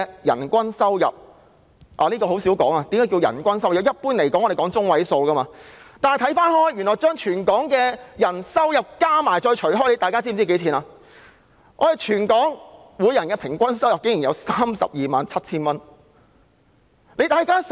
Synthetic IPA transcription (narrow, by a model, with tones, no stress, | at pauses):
jɐ̰˨˩nkʷɐ˥nsɐ˥wjɐ̰˨p̚ | ʔaː˨liː˥kɔː˧ho˨˧˥wsiː˨˥wkɔː˨˥ŋaː˧t̪i˨˦mkaː˨˥kiː˧wjɐ̰˨˩nkʷɐ˥nsɐ˥wjɐ˨˧wjɐ˥t̚puː˥nle˨˩jkɔː˨˦˥ŋɔː˨˧de˨jkɔː˨˥ŋt͡sʊ˥ŋwɐ˨˥jso˧wkɐː˥maː˧t̪aː˨nhjt̪ʰɐ˨˥jfaː˥nhɔː˥jyː˨˩nːɔː˨˩t͡ʃœː˥ŋt͡ʃʰyː˨˩nkɔː˨˥ŋkɛː˧jɐ˨˩nsɐ˥wjɐ˨p̚kaː˥maː˨˩jt͡ʃɔː˧jt͡ʃʰɵ˨˩ɥɦɔː˥jle˨˧jt̪aː˨kaː˥t͡si˥˩˨t͡si˥ke˨˥jt͡sʰiː˨˥naː˧ | ŋɔ̰ː˧e˨jt͡ʃʰyː˨˩nkɔː˨˥ŋ | wuː˨˧jɐ˨˩nkɛː˧pʰɪ˨˩ŋkʷɐ˥nsɐ˥wjɐ˨p̚kɪ˨˥ŋjiː˨˩njɐ˨˧wsaː˥msɐ̰˨p̚jiː˨maː˨nt͡sʰɐ˥t̚t͡sʰiː˥nmɐ˥n | le˨˧jt̪aː˨jkaː˥s